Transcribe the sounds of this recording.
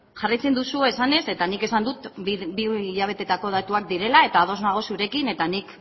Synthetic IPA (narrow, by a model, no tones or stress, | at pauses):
ʝarajt͡se̞nd̪usue̞sane̞se̞t̪anike̞sand̪ut̪biʎaβ̞e̞t̪e̞t̪ako̞ð̞at̪uak̚d̪iɾe̞lae̞t̪aːðo̞znaɣ̞osuɾe̞kine̞t̪anik